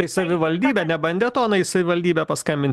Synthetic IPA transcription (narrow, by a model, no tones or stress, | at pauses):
ɐɪsɐʋʲɪʋɐlʲd̪ʲiːbʲɛːnʲɛbɐnʲd̪ʲɛt̪oːɐnɐisɐʋʲɪʋɐlʲd̪ʲiːbʲɛpɐskɐmʲbʲɪnʲt̪ʲ